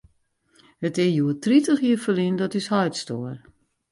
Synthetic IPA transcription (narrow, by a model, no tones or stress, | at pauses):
hətɪjuətritəxjiəfəlindɔtyshɔɥtstoər